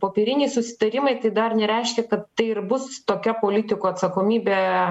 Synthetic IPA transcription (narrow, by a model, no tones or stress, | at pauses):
poːpʲeɾʲɪnʲɛɪsʊsʲɪ̥t̪ɐɾʲɪmɐɪt̪ɐɪd̪ɐrnʲɛɾʲɛɪʃʲkʲɛkɐt̪ːɐɪɪrbʊst̪oːkʲɛpoːlʲɪt̪ʲɪkuːɐt̪sɐkoːmʲiːbʲeː